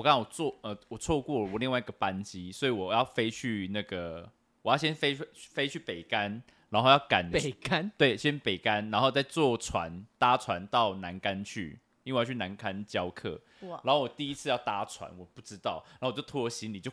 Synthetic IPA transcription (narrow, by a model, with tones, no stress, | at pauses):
wɔ˨ka˦na˥˩wɔ˨˩t͡swɔ˥˩ə˧wɔ˨˩t͡sʰwɔ˥˧kwɔ˥˩wɔ˨˩li˥˧ŋwa˥˩i˧ɡə˨˩pa˦nt͡ɕi˦swɔ˧˥i˨wɔ˨˩jɑ˥˨ʊfe˥ɪt͡ɕʰy˥˧na˥˩ɡə˩ | wɔ˨˩jɑ˥˩ɕjɛ˦˥nfe˥ɪ˥˩fe˥ɪt͡ɕʰy˥˩pe˨˩ɪka˦n | a˧˥nxo˥˧jɑ˥˩ka˨˩˦na˦nt̪we˥˩ɪɕjɛ˥npe˨˩ɪka˦nɻa˧˥nxo˥˧ʊt͡sa˥˧ɪt͡swɔ˥˨t͡sʰwa̰˧˦nt̪a˥t͡sʰwa˧˦nt̪ɑ˥˩ʊna˧˦nka˦nt͡ɕʰy̰˥˩ | i˥˧˥t͡ɕʰy˥˩na˧˦nkʰa˦nt͡ɕjɑ˦˥ʊkʰɤ̰˥˩ | a˨˧nxo˥˩wɔ˨˩t̪i˥˩i˦˥t͡sʰɹ̩˥˧jɑ˥˧˩ʊt̪a˥t͡sʰwa̰˧˦nwɔ˨˩pu˥˩ʈ͡ʂɻ̩˦t̪ɑ˥˩ʊna˧˥˨t͡ɕjo˥˩ʊt̪ʰu˥˩ə˧˦ɕi˧˥˦nli˨˩t͡ɕjo˥˧ʊ